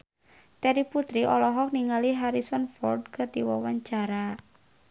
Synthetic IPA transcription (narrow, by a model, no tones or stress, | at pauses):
t̪ɛɾiput̪ɾiʔɔlɔɦɔk̚niŋaliɦaɾisɔnfɔ̰rd̚kʰɨrdiwawaɲt͡ʃaɾa